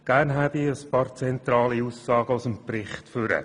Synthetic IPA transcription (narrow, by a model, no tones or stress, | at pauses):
ɡ̥æːrnɦæbiəspɑːɾt͡sɛnt̪ɾɑːliusːɑːɡ̥əʊsəmprɪχtfʏɾə̰